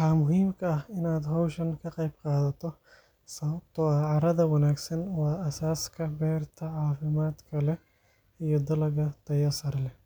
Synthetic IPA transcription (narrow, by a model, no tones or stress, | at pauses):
ħaːmʊɦiːmkʰɐɐhɪnaːd̪ɦowʃɐnkʰɐqɐjb̚qɑːðɐt̪ʰɔ | sɐbt̪ɔʕɑɾɐd̪ɐwɐnaːɡsɐnwaːʔɐsaːskʰɐbɛːɾt̪ʰɐʕaːfɪmaːt̪kʰɐlɛ | ijɔd̪ɐlɐɡɐt̪ɐjɐsɐɾlɛ